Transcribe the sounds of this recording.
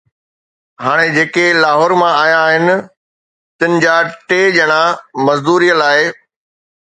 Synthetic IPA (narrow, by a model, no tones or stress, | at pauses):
ɦaːɽ̃ed͡ʑeːkelaːɦɔːɾmãaːjãːɦɪnɪ̆ | t̪ɪnɪ̆d͡ʑaːʈeːd͡ʑɐɽ̃amɐzd̪uːɾijəlaːɪ